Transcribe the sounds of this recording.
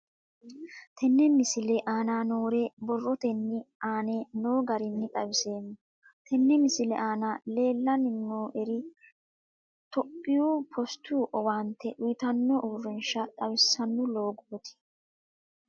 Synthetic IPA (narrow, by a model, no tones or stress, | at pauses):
t̪ʰɛnːɛmɪsɪlɛʔaːnaːnoːɾeːbɔrːɔt̪ɛnːɪaːneːnoːɡɐɾɪnːɪt̪ʼɐwɪse̞ːnːɔ | t̪ʰɛnːɛmɪsɪlɛʔaːnale̞ːlːɐnɪnːoːʔɛɾɪ | t̪ɔpʼːɪjuːpʰɔst̪uːʔɔwaːnt̪ʰːɛʔʊjɪt̪ɐnːɔʔʊrːɪnʃɐt̪ʼɐwɪsɐnːʊlo̞ːɡuːt̪ʰɪ̥